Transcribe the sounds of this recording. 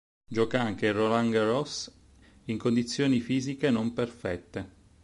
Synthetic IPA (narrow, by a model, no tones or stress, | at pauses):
d͡ʒɔːkaaŋk̟erolaŋɡarɔs | iŋkond̪it̪sːjoːnifiːzikenomperfɛt̪ːe